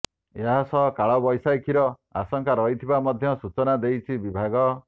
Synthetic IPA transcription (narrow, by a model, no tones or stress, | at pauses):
eɦasɔkaɭɔbɔjsajkʰiɾɔ | asɔŋkaɾɔɦit̪ʰibamɔd̪ʱjɔsut͡ʃɔnad̪ejt͡ʃʰibibʱaɡɔ